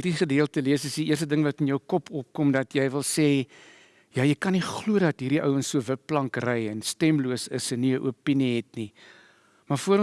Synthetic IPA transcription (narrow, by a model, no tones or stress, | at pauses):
iɾiχədiəlˠtəliəsəsdiiərs̬tədəŋvɐtənjəwkɔpʰɔp̚kɔmdɐtjɛjvəlˠseː | jɑːjəjkɐniχluədɐtɦiːɾiʔœ̰wənsuəvəpːlɐŋkrɛjɛnstɛmluəsəsəniəʔṵəpiniɦɛtni | mɐfuəɾɔ̃